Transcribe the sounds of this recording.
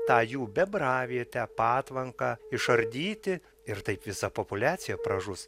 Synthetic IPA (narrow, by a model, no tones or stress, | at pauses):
t̪ɑːjuːbʲɛbrɑːʋʲeːt̪ʲæːpɑːt̪ʋɐŋkɑːɪʃɐɾʲd̪ʲiːt̪ʲɪ | ɪɾt̪ɐɪpʋʲɪsɐpopʊlʲæːt̪sʲɪjɛpɾɐʒʊs